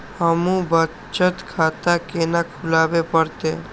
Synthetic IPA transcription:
həmũbə | t͡ʃət̪kʰaːt̪akeːnakʰʊlaːbepəɾt̪e

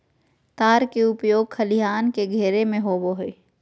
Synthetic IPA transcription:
t̪aːɾkeʊpjoːɡ̚kʰɐliɦaːnkeɡʱɛːɾemẽɦoːboɦeː

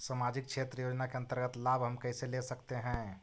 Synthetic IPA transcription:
samaːd͡ʒɪk̚ʃʰeːt̪ɾəjoːd͡ʒnakeɐ̃nt̪əɾɡət̪laːbɦɐmkɛɪselesɐkt̪eɦɛ̃

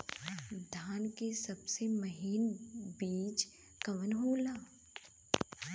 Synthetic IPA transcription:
d̪ʱaːnkesɐbsemɐɦiːnbiːt͡ʃ | kɐʋənɦoːlaː

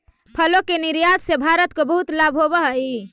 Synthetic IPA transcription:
pʰəlokeniɾjad̪sebʱaɾət̪kobəɦut̪labɦobəɦi

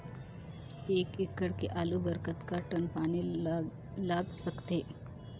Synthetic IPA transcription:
eːkekːəɽkeʔaːlubəɾkət̪kaʈənpaːni | laːɡsɐkt̪eː

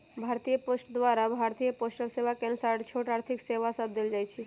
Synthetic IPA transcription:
bʱaɾt̪ijəposʈd̪ʋaɾabʱaɾt̪ijəposʈəlseʋakɛnsaɽt͡ʃʰoʈaːɾt̪ʰikseʋasəb̚d̪eld͡ʒajt͡ʃʰe

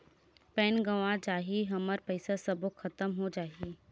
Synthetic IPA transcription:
pɛːnɡəʋãd͡ʒaːɦiɦɐməɾpəɪsasəbokʰɐt̪əmɦod͡ʒaːɦi

